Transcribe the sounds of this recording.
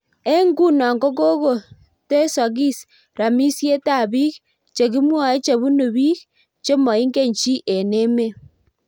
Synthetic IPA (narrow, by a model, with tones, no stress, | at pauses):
e˦ŋɡu˦˨na˨ŋɡo˦ko˦ɣo˨ | te˦sa˨ɣi˦s | ɾa˨mi˦sje˦ta˦˨βi˦k | t͡ʃe˨ɣi˦mwa˨e˦t͡ʃe˨βu˦nu˨βi˦k | t͡ʃe˦mo˨i˦ŋɡe˦˨ɲt͡ʃi˦ʔe˨ne˦me˦